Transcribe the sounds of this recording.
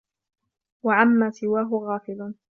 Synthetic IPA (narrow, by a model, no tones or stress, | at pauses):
waʕamːaːsɪwaːɦʊɣaːfɪl